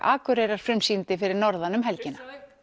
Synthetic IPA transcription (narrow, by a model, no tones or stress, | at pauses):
a̰ːkʏɾɛjɾaɾ̥fɾʏmsint̪ɪfɪɾɪɾnɔɾðanʏmɦɛlcɪna